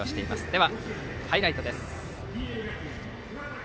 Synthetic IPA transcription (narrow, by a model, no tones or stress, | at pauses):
oɕi̥t̪e̞imasɨ̥d̪e̞βa | haiɾait̪o̞d̪e̞sɨ̥